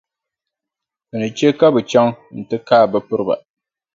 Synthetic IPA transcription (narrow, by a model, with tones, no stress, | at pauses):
bɨ˨nɨ˨t͡ʃɛ˦ka˦bɨ˨t͡ʃa˦ŋn̩˨tɨ˦kaː˦˨bɨ˦pɨ˦ɾɨ˦ba̰˨